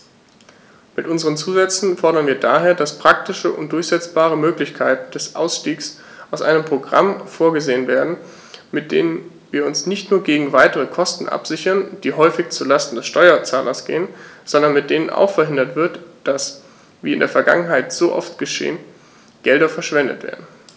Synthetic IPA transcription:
mɪtʔʊnzəʁ̞ənt͡suːzɛt͡sn̩fɔɐɾɐnviːɐdaːɦeːɐdaspʁ̥ak̚tɪʃəʔʊ̰ntd̥ʊɐçz̥ɛt͡sb̥aːʁ̞əmøːklɪçkʰaɪtn̩d̥ɛsʔa̰ʊsʃtiːks | ʔaʊsʔa̰ɪnəmpʁ̥oɡʁa̰mfoːɐɡəzeːənveːɐdn̩ | mɪt̚d̥ḛːnən | viːɐʊnsnɪçtnuːɐɡeːɡŋ̩vaɪtəʁəkʰɔstn̩ʔa̰pz̥ɪçɐnd̥iːɦɔʏfɪçt͡sulastn̩dɛsʃtɔʏɐt͡saːlʔɐ̰sɡ̥ḛːənz̥ɔndɐnmɪt̚d̥eːnənʔa̰ʊxfɛɐɦɪndɐtv̥ɪɐtd̥as | viːɪndeːɐfɛɐɡa̰ŋənɦaɪtz̥oːʔɔ̰ftɡ̥əʃḛːən | ɡ̥ɛldɐfɛɐʃv̥ɛndə̰tv̥ḛːɐdn̩

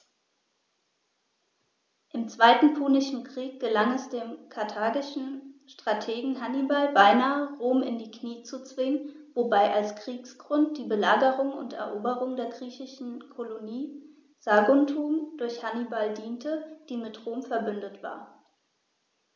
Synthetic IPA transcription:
ʔɪmt͡sv̥aɪtn̩pʰuːnɪʃn̩kʁ̥iːk̚ɡ̥əlaŋɛsd̥eːmkʰaɐtʰaːɡɪʃn̩ʃtʁ̥atʰeːɡŋ̩ɦanibalbaɪnaːəʁoːmɪ̰ndiːkniːt͡sut͡sv̥ɪŋənvobaɪʔalskʁ̥iːksɡ̥ʁʊnt̚d̥iːbəlaːɡəʁʊŋʊ̰ntɛ̰ɐʔoːbəʁʊŋdeːɐɡʁiːçɪʃn̩kʰoloniː | z̥aːɡʊntʰuːmd̥ʊɐçhanibaldiːntʰəd̥iːmɪtʁoːmfɛɐbʏndətv̥a̰ːɐ

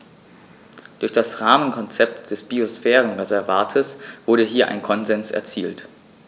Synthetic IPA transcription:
d̥ʊɐçd̥asʁaːmənkʰɔnt͡sɛp̚td̥ɛsb̥iosfɛːʁən̩ʁezɛɐvaːtʰəsv̥ʊɐɾəɦiːɐʔa̰ɪnkʰɔnzɛnsʔɛ̰ɐt͡siːlt

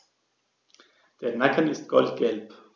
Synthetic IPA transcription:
d̥eːɐnakʰənɪst̚ɡ̥ɔltɡ̥ɛlp

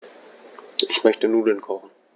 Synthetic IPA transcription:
ʔɪçmœçtənuːdənkʰɔχn̩

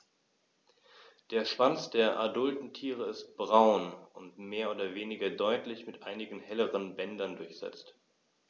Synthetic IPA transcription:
d̥eːɐʃv̥ant͡sd̥eːɐʔadʊltn̩tʰiːʁ̞əɪst̚b̥ʁaʊnʊntmeːɐoːdɐveːnɪɡɐdɔʏtlɪçmɪtʔaɪnɪɡn̩hɛləʁənbɛndɐndʊɐçz̥ɛ̰t͡st

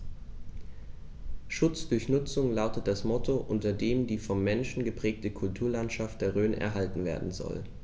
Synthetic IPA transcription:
ʃʊt͡sd̥ʊɐçnʊt͡sʊŋlaʊtət̚d̥asmɔtʰoʔʊntɐdeːmdiːfɔmːɛnʃn̩ɡəpʁ̥ɛːk̚təkʰʊltʰuːɐlantʃaft̚d̥eːɐʁøːnɛ̰ɐɦaltn̩vḛːɐdn̩zɔ̰l

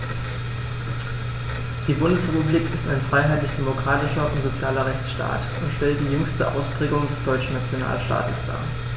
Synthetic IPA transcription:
d̥iːbʊndəsʁɛpubliːkɪstaɪnfʁ̥aɪɦaɪtlɪçd̥emokʁ̥aːtɪʃɐʔʊntz̥ot͡sjaːlɐʁɛçt͡sʃta̰ːt | ʊntʃtɛlt̚d̥iːjʏŋstəʔa̰ʊspʁ̥ɛːɡʊŋdɛsd̥ɔʏt͡ʃn̩nat͡sjona̰ːlʃta̰ːtəsd̥a̰ː

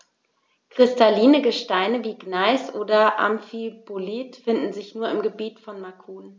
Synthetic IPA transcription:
kʁ̥ɪstaliːnəɡəʃtaɪnəviːɡnaɪsʔoːdɐʔa̰mfiboliːtfɪndn̩zɪçnuːɐɪmɡəbiːtfɔnmakʰuːn

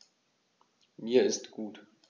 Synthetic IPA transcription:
miːɐɪstɡ̥uːt

